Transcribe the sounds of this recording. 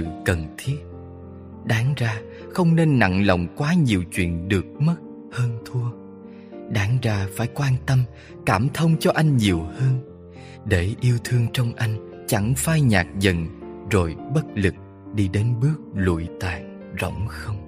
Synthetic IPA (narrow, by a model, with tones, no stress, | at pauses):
ɨ̰˧˨kə˨˩nt̪ʰi˦˥ət̚ | ɗaː˨˦ŋzaː˧ | xə˧wŋ͡mne˧nːa̰˧˨ŋlə̰˧˨wŋ͡mkwaː˨˦ɲi˨˩əwt͡ɕwḭ˧˨ənɗɨ˨˩ək̚mə˦˥t̚ | həː˧nt̪ʰu˧ə | ɗaː˨˦ŋzaː˧faː˧˩jkwaː˧nt̪ə˧m | kaː˧˩mt̪ʰə˧wŋ͡mt͡ɕɔ˧ʔa˧jŋ̟ɲi˨˩əwhəː˧n | ɗe˧˩ʔi˧əwt̪ʰɨ˧əŋt͡ɕɔ˧wŋ͡mʔa˧jŋ̟ | t͡ɕa˧˩ŋfaː˧jɲa̰ː˨˩k̚zə̰˧˨nzo˨˩jɓə˦˥t̚lɨ˨˩k̚ | ɗi˧ɗe˨˦nɓɨ˦˥ək̚lṵ˧˨jt̪a̰ː˧˨j | zo̰˧˩wŋ͡mxə˧wŋ͡m